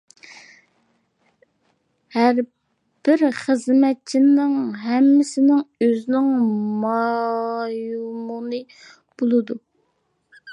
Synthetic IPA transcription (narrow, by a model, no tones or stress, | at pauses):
hæɾ | b̥ɪɾχəzmɛt̪̚t͡ʃʰinɪŋɦɛmːɪsɪnɪŋøznɪŋmɑ | jumunɨ | b̥olˠɨd̪u